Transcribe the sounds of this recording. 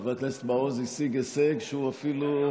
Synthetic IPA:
valt̪lese̥t̪baozisiɡeseɡʃeuafilu

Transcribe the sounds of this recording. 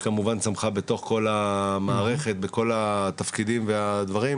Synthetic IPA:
kamuvansamχabe̞t̪o̞χko̞lamaːʁe̞χe̞t̪̚beko̞lat̪afkid̪imvead̪vaʁim

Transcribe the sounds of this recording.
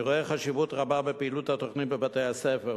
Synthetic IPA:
ʁoeχaʃivut̪ʁababepeiːlut̪hato̞χnit̚bebatejhasefe

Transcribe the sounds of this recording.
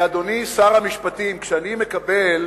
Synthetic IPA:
ad̪o̞nisaʁamiʃpat̪imkʃeanime̞kabel

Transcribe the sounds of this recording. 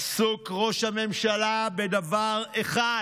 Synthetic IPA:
sukʁo̞ʃhame̞mʃalabe̞d̪avaʁeχa

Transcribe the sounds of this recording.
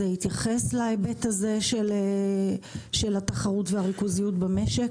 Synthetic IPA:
ehit̪jaχe̞slaebetaze̞ʃele | ʃe̞lhat̪aχaʁutveaʁikuzijutbameʃek

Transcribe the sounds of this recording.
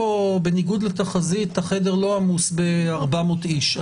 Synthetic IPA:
obeniɡud̪let̪aχazit̪haχedeʁlo̞amusbe̞aʁbamotiʃa

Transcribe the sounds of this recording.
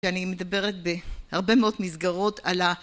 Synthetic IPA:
anime̞d̪abe̞ʁet̪̚behaʁbe̞meo̞d̪mizɡaʁo̞t̪ʰala

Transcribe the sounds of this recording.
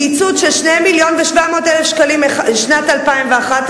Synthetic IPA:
it͡sud̪ʃelʃnejmiljo̞nveʃvamo̞ːt̪elefʃkalimʃnatalpaimveaχat̪

